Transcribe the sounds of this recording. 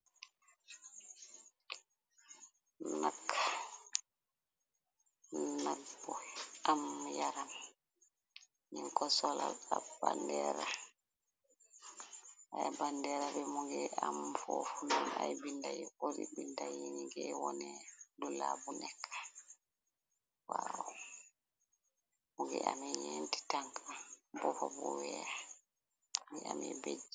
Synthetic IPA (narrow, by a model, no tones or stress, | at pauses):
nak | naɡbɔlamjaɾam | niŋkɔsɔla̰labandɛːɾa | ajabandɛɾabɛmuɡɛamfofununajbindajioɾibindajiniɡɛwɔnɛdulabunɛkʰːḁ | wawɔ | muɡɛ̰ʔamɛjenti̥taŋkabɔhɔbɔ̰wɛa | ɡɛamɛbed͡ʒi